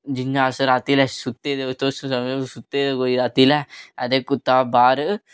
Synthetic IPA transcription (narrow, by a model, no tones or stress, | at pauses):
d͡ʒiɲːaːsɐɾaːt̪iːlɛsut̪ːeːd̪et̪osũsɐmesut̪ːed̪ekoːiɾaːt̪iːlɛɐd̪ekːut̪ːaːbaːɾ